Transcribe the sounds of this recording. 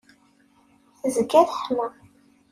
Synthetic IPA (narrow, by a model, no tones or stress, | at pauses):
θzəkːæθħma